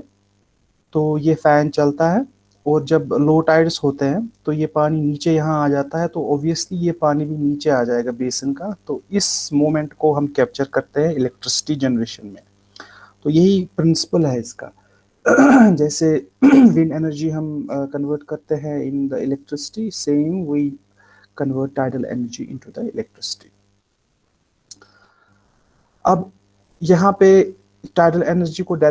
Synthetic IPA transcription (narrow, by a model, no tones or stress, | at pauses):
t̪oːjefɛːnt͡ʃɐlt̪aɦɛ | ɔːɾd͡ʒɐbloːʈaːɪɖsɦoːt̪eɦɛ̃t̪ojepaːniniːt͡ʃejɐɦãaːd͡ʒaːt̪aɦɛt̪oʔɔːbʋijəslijepaːnibʱiniːt͡ʃeaːd͡ʒaːeːɡabeːsənkat̪oɪsmoːmɛ̃ɳʈkoɦɐmkɛːp̚t͡ʃəɾkɐɾt̪eɦɛ̃ɪlɛk̚ʈɾɪsɪ̥ʈid͡ʒɛnəɾeːʃənmẽ | t̪ojɐɦipɾɪ̃nsɪ̥pəlɦɛɪska̰ː | d͡ʒɛːseʋɪ̃neːnəɾd͡ʒiɦɐmkɐ̃nʋəɾʈ̚kɐɾt̪eɦɛ̃ɪ̃nd̪əɪlɛk̚ʈɾɪsɪ̥ʈisẽːmwi | kɐ̃nʋəɾʈːaːɪʈəlḛnəɾd͡ʒiʔɪ̰̃ɳʈud̪əɪlɛk̚ʈɾɪsɪ̥ʈi̥ | ɐb | jɐɦãpe | ʈaːɪʈəleːnəɾd͡ʒikoɖa